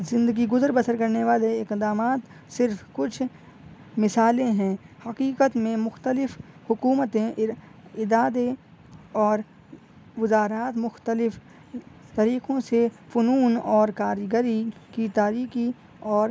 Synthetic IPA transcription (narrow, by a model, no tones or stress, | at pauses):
zɪ̃nd̪əɡiɡʊzəɾbəsəɾkɐɾneʋaːleɪkd̪aːmaːt̪ | sɪɾfkʊt͡ʃʰ | mɪsaːlẽɦɛ̃ːhɐqiːqət̪mẽmʊxt̪əlɪfhʊkuːmət̪ẽ | ɪd̪aːd̪e | ɔːɾ | ʋɪzaːɾaːt̪mʊxt̪əlɪf | t̪ɐɾiːqõsefʊnuːnɔːɾkaːɾɡəɾikit̪aːɾiːxi | ɔːɾ